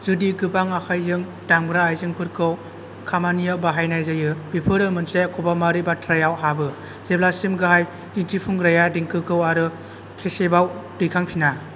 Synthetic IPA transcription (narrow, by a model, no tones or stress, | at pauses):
zudiɡɯpaŋakʰajzɯŋ | daŋbɾaːjzɯŋpʰɯɾkʰɯw | kʰamanijabaɦajnajzajɯbipʰɯɾɯmɯnsekʰɔbamaɾibatʰɾajawɦabɯ | zeblasimɡɯɦaj | ditʰipʰuŋɾajadiŋkʰɯkɯwaɾɯ | kʰesebawdɯjkʰaŋpʰina